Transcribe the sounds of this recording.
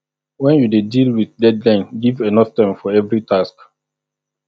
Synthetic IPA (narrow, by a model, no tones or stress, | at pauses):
wɛ̃njudedilwiðdɛdlãnɡivenɔftãɪ̃mfɔɛvɹitʰask